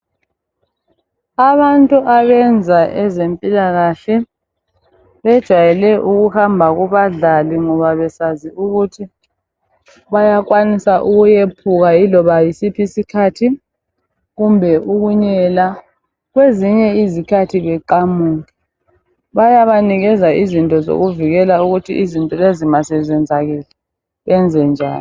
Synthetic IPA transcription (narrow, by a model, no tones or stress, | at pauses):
aβantʼuʔaβɛnd͡zʱaʔɛzempʼilaɣaɬɛ | βɛd̥ʒ̥ʱwajɛlɛʔuɣuhambʱaɣuβaɮaliŋɔβaβɛsaziuɣutʰi | βajakʼwanisaʔuɣujepʰuɣailɔβajisipʰisikʰatʰi | ɣumbʱɛʔuɣuɲɛla | ɣweziɲɛizikʰatʰiβɛǃamuːŋɛ | βajaβaniɣɛzaizintʼɔzo̰ɣuviɣɛlauɣutʰḭʔizintʼɔlezimasɛt͡ʃɛnd͡zʱaɣɛlɛ | ɣɛnd͡zʱɛnd͡ʒʱa̰ːl